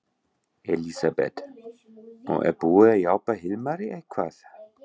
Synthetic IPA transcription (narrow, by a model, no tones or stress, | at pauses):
ɛlisabɛ̰t̪ | ɔ̰ʔɛ̰b̥uːajawpaɦɪlmaɾiʔɛkʰwaθ